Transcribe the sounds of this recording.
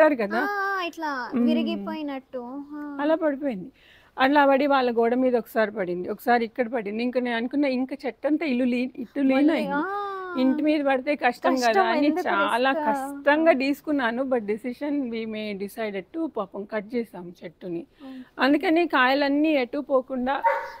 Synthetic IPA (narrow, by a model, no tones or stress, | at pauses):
aːɾukɐd̪aːiʈlaːiɾiɡipoːjinɐʈːuɐlaːpɐɽip̬o̞ːjind̪i | ɐlaːbɐɽiʋaːɭːɐɡɔːɽɐmiːd̪ɐɔkːɐ̥saːɾipɐɽind̪iɔkːɐ̥saːɾiikːɐɽɐpɐɽind̪iŋkɐneːɐnukunːaːiŋkat͡ʃɛʈːɐnt̪ɐiluliːiʈːuliːnaj | iɳʈimiːd̪ɐpɐɽit̪e̞ːkɐʂʈɐmɡad̪aːnit͡ʃt͡ʃaːlaːkɐʂʈɐŋɡaːt̪iːsu̥kunːaːnubɐʈ̚ɖisiʃɐnʋiːmeːɖisɐjɖeɖ̚ʈupaːpɐmkɐʈ̚t͡ʃɛːsaːmut͡ʃeʈːuniɐnd̪ukɐneːkaːjɐlɐnːiːeʈːupoːkuɳɖaː